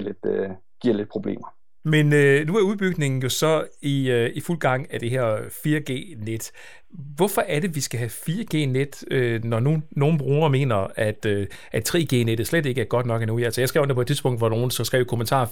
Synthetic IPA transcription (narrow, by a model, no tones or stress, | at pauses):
led̥ø | ɡ̥iɐ̰le̝d̥̚pʰʁo̝b̥le̝̰ːmɐ | menønuæɐuðˠb̥yɡ̥ne̝ŋn̩jo̝sɒ̽iøiful̰ɡ̥ɑ̈ŋ̰æd̥e̝ɦeɐ̰fiːɐɡ̥e̝̰ːned̥ | ʋɒ̽fɒ̽ʔæɐɾe̝ʋisɡ̥æɦæfiːɐɡ̥e̝̰ːned̥ønɒnuno̝ːn̩b̥ʁuːɐme̝̰ːnɐæd̥øʔæd̥̚t͡sʰʁɛ̰ːɡ̥e̝̰ːned̥ð̩slede̝ɡ̥əæɐɡ̥ɒ̽d̥nɒ̽ɡ̥ænuælsəjɑ̈ɪsɡ̥ɛʊ̰depʰɒ̝̽d̥̚t͡siðˠsb̥ɔ̽ŋ̰d̥ʋɒno̝ːn̩sɒ̽sɡ̥ʁɛ̰ʊkʰo̝mənt͡sʰɑ̰̈ː